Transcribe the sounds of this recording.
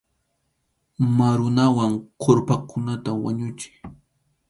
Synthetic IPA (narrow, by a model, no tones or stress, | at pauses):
maɾʊnawaŋqʰoɾpakʊnat̪awa̰ɲʊt͡ʃɪ̥